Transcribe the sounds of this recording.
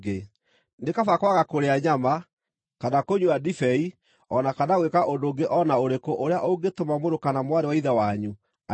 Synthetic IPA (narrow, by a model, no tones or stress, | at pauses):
ɡe | nekafakwaɣakoɾeaɲama | kanakoɲuadifɛi | ɔnakanaɣwekaʔondoɡeʔɔnaoɾekoʔoɾeaʔoɡetomamoɾokanamwaɾewaiðawaɲu | a